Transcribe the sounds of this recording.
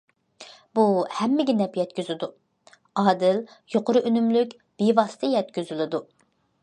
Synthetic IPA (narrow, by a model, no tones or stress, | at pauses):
buhɛmːɪɡʲinɛpjɛt̪̚kʲyzɪd̪u | ɑːd̪ɪljoqoɾʊʔønymlykʲ | b̥evɑsɨ̥t̪ʰɛjɛt̪kʲyzylɪd̪u